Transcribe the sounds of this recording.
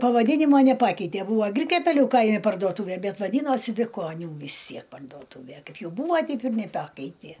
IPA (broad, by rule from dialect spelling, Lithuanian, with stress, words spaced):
pɐʋɐˈdʲiːnʲɪmoː nʲɛˈpɑːkʲɛɪtʲeː ˈbuːʋoː ˈɡrʲɪkʲɛpʲɛlʲʊ ˈkɐɪmʲɪ pɐrduɔˈtuːʋʲeː ˈbʲɛt ʋɐˈdʲiːnoːsʲɪ ʋʲɪˈkoːnʲuː ʋʲɪs ˈtʲsʲiɛk pɐrdoːˈtuːʋʲɛ ˈkɐɪp ˈjɛʊ ˈbuːʋɐ ˈtʲɛɪp ɪr nʲɛˈpɑːkʲɛɪtʲeː